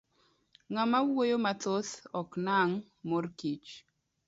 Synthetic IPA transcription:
ŋamawojomat̪osɔknaŋ | morkit͡ʃ

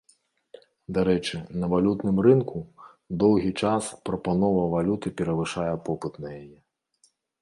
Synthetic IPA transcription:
d̪aɾɛt͡ʂɨnɐvalʲut̪nɨmrɨnku | d̪ɔwɣʲit͡ʂaspɾɐpanɔvɐvalʲut̪ɨpʲɛɾɐvɨʂajɛpɔpɨt̪nɐjajɛ

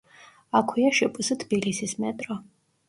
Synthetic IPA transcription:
akʷʰwiaʃɛpʼusɨt̪ʰb̥ilisismɛt̪ʼɾɔ

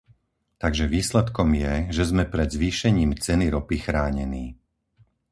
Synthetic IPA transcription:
t̪aɡʒɛʋiːslɛt̪kɔmjɛʒɛzmɛpɾɛd̪zʋiːʃɛɲiːmt͡sɛniɾɔpixɾaːɲɛniː

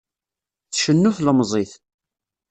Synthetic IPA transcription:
θʃənːuθləmzˤiθ

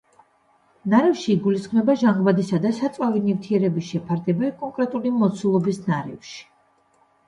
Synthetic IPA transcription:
naɾɛfʃiːɡulisχmɛbaʒaŋʁbad̪isad̪asat̪sʼwalinift̪ʰiɛɾɛbisʃɛpʰaɾd̪ɛbakʼɔŋkʼɾɛt̪ʼulimɔt̪sʰulˠɔbisnaɾɛfʃi̥

